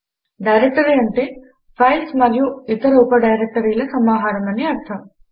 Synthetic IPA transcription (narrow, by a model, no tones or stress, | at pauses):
ɖɐjɾek̚ʈɐɾeːɐɳʈe | fʰɐjlsmɐɾijuit̪ɐɾɐupɐɖɐjɾek̚ʈɐɾiːlɐsɐmaːɦaːɾɐmɐniɐɾt̪ʰɐ